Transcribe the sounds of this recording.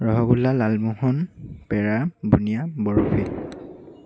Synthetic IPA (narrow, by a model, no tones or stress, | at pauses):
ɹɔɦɔɡulalalmuhɔnpɛɹabunijabɔɹupʰi